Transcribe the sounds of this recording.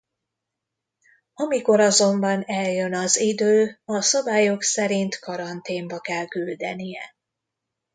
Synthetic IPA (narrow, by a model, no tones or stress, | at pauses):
ɒmiko̞ɾɒzo̞mbɒnɛljø̞nɒzid̪øːɒsɒbaːjo̞ksɛɾint̪kɒɾɒnt̪eːmbɒkɛlkyld̪ɛnijɛ